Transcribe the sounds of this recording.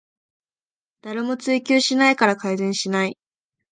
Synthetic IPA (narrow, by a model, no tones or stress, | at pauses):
d̪̥aɾemo̞t͡sɨikʲɨːɕinaikaɾakaizẽ̞ɰ̃ɕinai